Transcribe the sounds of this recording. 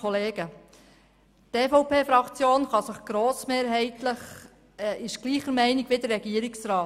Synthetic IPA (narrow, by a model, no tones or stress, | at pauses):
ɔleːɡə | teːfɔʊpʰeːfɾɑkt͡sjoːnχɑsəχɡ̥ɾoːsmeːɾɦɛɪtləχ | ɪʃɡ̥liːχəɾmɛɪnɪɡʋɪd̪əɾːɛɡiəɾɪksɾɑː